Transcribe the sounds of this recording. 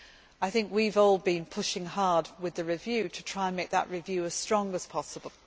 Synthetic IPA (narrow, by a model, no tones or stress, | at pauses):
aɪθɪ̃ŋkwivɔːlˠbĩnpʰʊʃɪ̃ŋɦɑɹdwɪðɨɹɪvjʉːtʰətʰɹ̥aɪə̃nmeɪk̚ðə̰ʔɹɪvjʉːəz̥stɹ̥ɒ̃ŋəz̥pʰɒsəbəlˠ